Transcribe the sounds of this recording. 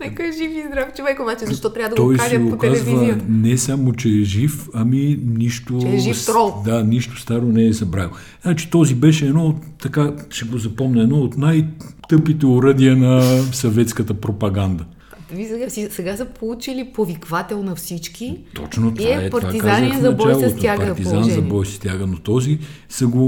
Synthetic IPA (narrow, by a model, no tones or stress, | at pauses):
nɛkoɛʒifizd̪ɾaft͡ʃovɛkobat͡ʃɛzɐʃt̪ɔt̪ɾʲavəd̪ɐt̪ɔjszɡokazvɐnɛsamot͡ʃɛɛʒifɐminiʃt̪oɛʒiɔd̪aniʃt̪o̥st̪aɾonɛɛzɐbɾavi | znat͡ʃi̥t̪ɔzibɛʃɛːd̪nɔt̪ːɐkaʃɛɡozɐpɔmnɐɛd̪nɔot̪najt̪ɤpit̪ɛoɾəd̪iənɐsɐvɛt̪skət̪əpɾopɐɡand̪ɐ | visɛɡasisɛɡasɐpolˠut͡ʃilipovikvat̪ɛlˠnɐfsit͡ʃkit̪ɔ̰t͡ʃnot̪vapɐɾvaikanzəxfzɐɐbt͡ʃalˠoaɡpɐɾt̪izanzɐbɔjst̪ʲjaɡənot̪ɔzi | sɐɡo